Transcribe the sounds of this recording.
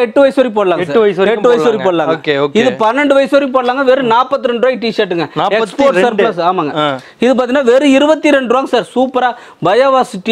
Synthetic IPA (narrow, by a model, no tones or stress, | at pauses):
ɛʈːɯʋɐjsoːɾip̬oːɽɐlaːŋsaːɐjɛʈːɯʋɐjɪsoːɾipoːɽɐlaːŋɡkeoːkɪðɯpɐnːɾɛɳɖɯʋɐjɪsoːɾip̬oːɽɐlaːŋɡɐʋeːɾɯnaːpːɐt̪ːɯɾɛɳɖɯʋaːjiʈiːsɐʈːɯŋɡɐnːɛkspoːɾʈsɐɾplasːaːmaːŋɡɐ | ɪðɯp̬aːɾt̪iŋnaːʋeːɾɯɪɾɯbɐt̪ːiɾɛɳɖʋaːŋɡɐsaːɾsuːpɐɾaː | bɐjaːʋaːsɪʈːi